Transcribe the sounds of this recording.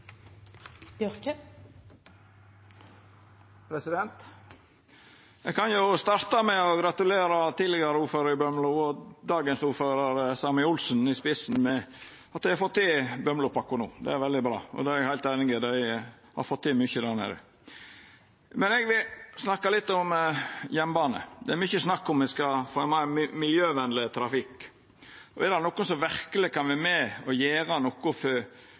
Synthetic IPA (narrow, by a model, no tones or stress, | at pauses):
b̥jœɾkə | pʰɾɛsɪd̪ɛnt̪ | ɛɡkɑnjʊst̪ɑɾt̪ɑmɛɔɡɾɑt̪ʉleːɾɑt̪iːd̪lɛɡəɾəuːɾføːɾəɾɪbœmlʊɔd̪ɑːɡənsuːɾføːɾəɾsɑmɪʊlsnɪspɪsn̩mɛ | ɑt̪̚d̪æɪhɑɾfɔt̪ʰːɪbœmlʊpʰɑkːʊnṵːd̪ɛ̰æɾʋɛld̪ɪbɾɑ̰ːɔ̰d̪ɛɾɛɡhæɪlt̪æɪnɪŋɪd̪æɪ | hɑ̰ɾfɔt̪ʰːiːmʏçəd̪æɾnḛːɾə̰ | mɛnɛɡʋɪlsnɑkːɑlɪt̪ːɔmjɛmːbɑːnə̰d̪ɛæɾmʏçəsnɑkːɔmɪskɑfɔmɑmɪljøːʋɛnlɪt̪ʰɾɑfɪk | ɔɛɾd̪ɑnɔkːʊnsɔʋæɾkəlɪkʰɑnʋɪmɛɔjeːɾɑnɔkʊf